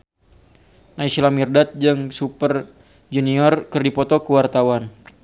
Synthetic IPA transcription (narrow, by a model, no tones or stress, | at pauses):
naisilamirdat̪̚d͡ʒɨŋsupər | d͡ʒuniɔrkərdipɔt̪ɔkəwart̪awan